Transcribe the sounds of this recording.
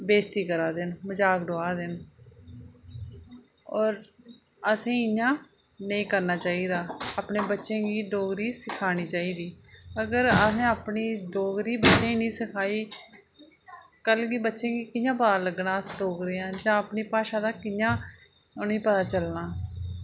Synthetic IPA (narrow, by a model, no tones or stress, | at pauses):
beːst̪iːkəɾaːd̪ɪnməd͡ʒaːkɖoːaːd̪ɪn | ɔːɾəsẽːɪɲãː | nəĩːkəɾnaːt͡ʃaːiːd̪aːaːpɳeːbətːʃẽːɡiːɖoːɡɾiːsɪkʰaːñiːt͡ʃaːiːd̪iːəɡəɾəsẽːaːpniːɖoːɡɾiːbətːʃẽːiːnĩːsɪkʰaːiː | kəlɡiːbətːʃẽːɡiːkɪãːpəd̪ãːləɡnãːsʈoːkɾeːãːd͡ʒãːəpɳiːpaːʃãːd̪aːkɪjãːʊnĩːpət̪aːt͡ʃəlnaː